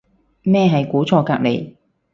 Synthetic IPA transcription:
mɛː˥˧ɦɐ˨jkuː˨˥t͡sʰɔː˧kaː˧k̚le˨j

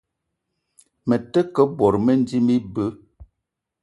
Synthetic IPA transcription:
mə˨tə˦kə˦bɔ˨ɾmə˦n˦di˦mi˦bə˦

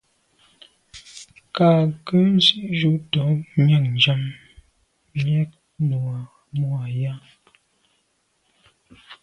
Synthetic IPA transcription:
ka˨kə˦n˦zi˦ʔʒu˦ʔtɔ˨˦ɲə˦˨ŋnd͡ʒa˦m˨ | ɲɛ˦k̚ | nɔ˨a˨ | mu˦a˨ja˦

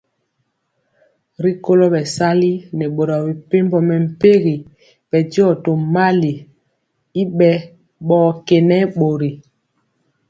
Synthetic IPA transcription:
ɾi˦ko˦lo˦ɓɛ˨sa˦li˦nɛ˨ɓo˨ɾa˨bi˨pe˦m˦bɔ˨mɛ˨m̩˨pe˦ɣi˨ | bɛ˨djɔ˦˨to˨ma˦li˨ | i˦ɓɛ˦ | ɓɔː˦kɛ˨nɛ˦ɓo˨ɾi˨

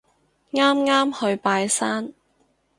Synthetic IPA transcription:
ŋaː˥mŋaː˥mhɵ˧ɥpaː˧jsaː˥n

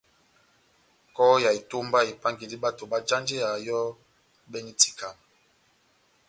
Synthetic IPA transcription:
kɔ˦ja˨i˨to˦mba˦i˨pa˦ŋɡi˨di˦ɓa˦to˨ɓa˦d͡ʒa˦nd͡ʒe˦a˨jɔ˦ | ɓɛ˦ni˦ti̥˨ka˨m

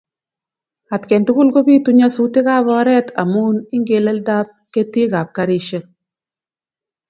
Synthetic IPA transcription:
a˨tkɛ˨ntu˦ku˦lko˦bi˦tu˦ɲa˦su˦tɪ˦ka˦βɔ˦ɾɛ˦ta̰˨mu˦nɪ˦ŋɡe˨lɛ˦lda˦p̚ke˦ti˦ɡa˨p̚ka˦ɾɪ˦ʃe˦

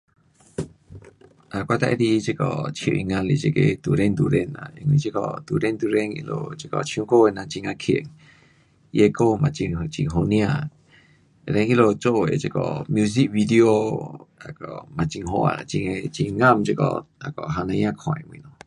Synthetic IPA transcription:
ʔa˨kʷa˧t̪a˦˧ʔe˧ɾi˧t͡ʃe˦kɔ̰˨t͡ʃʰjo̰˧ʔi˧ŋã˧lḭ˧˨t͡ʃe˧ke˧t̪u˨ɾe˦˧nd̪u˨ɾe˧nã̰˧˨ḛ˧ŋĩ˧˨t͡ʃe˦kɔ˧˨t̪u˨ɾe˦nd̪u˧ɾe˦˧ŋḭ˧lo̰˧t͡ʃe˦˧kɔ˧t͡ʃʰj̃ũ˧ko˦e˧˨nã˧t͡ʃi˧ŋã˧kʰḛ˨ŋ | je˧ko˦˧mã˧˨t͡ʃi˧t͡ʃi˧ŋɦo˧nj̃ã˧ | e˧ɾe˧ŋi˦lo˧t͡ʃo˦˧˨e˨t͡ʃe˧kɔ̰˧˨mju˧s̬i˦k̚bi˧d̪i˧o˧a˨kɔ˨mã˧t͡ʃi˧ŋɦo˧a̰˧˨a˨t͡ʃi˧ŋe˧t͡ʃi˧ŋã˦˧˨mt͡ʃe˦˧kɔ̰˧a˨kɔ˨ʔɦa˧nã˧jã˦kʰã˨ḛ̃˧˨mw̃nõ˨

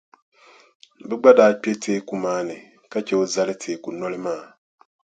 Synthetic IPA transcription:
bi˦ɡ͡ba˦da˦k͡pe˦tʰeː˦ku˨maː˦ne˨ | ka˦ce˨o˦za˦le˦tʰeː˨ku˨nːo˦li˦maː˦˨

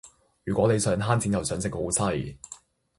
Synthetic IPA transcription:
jyː˨kʷɔː˨˥ne˨˧jsœː˨˧ŋɦaː˥nt͡sʰi˨˥jɐ˨wsœː˨˧ŋsɪ˧k̚ho˨˥wsɐ˧j

